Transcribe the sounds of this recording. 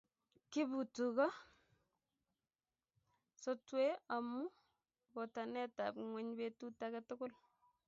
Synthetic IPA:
kɪ˦bu˨tukɔ˦ | so˦twea˨mu˦ | bɔ˨ta˨nɛ˦ta̰pŋwɛ˦ɲbetu˦takatʊ˦kʊ˦l

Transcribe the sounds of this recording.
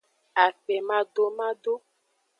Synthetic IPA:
a˨k͡pɛ˨mã˦do˦mã˦ɖo˦

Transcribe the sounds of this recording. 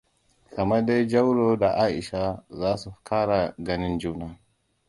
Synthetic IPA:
kʰɐ˨mɐ˦da˦jd͡ʒɐ˦wɽoː˦da˨ʔaː˦ʔɪ˨ʃa˦zaː˦su˨kʰaː˦ɽa˨ɡɐ˦nɪ˦nd͡ʒuː˦naː˦

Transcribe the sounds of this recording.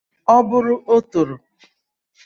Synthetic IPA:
ɔ˦bʊ˦ɾʊ˦ʔo˦to˨ɾo˨

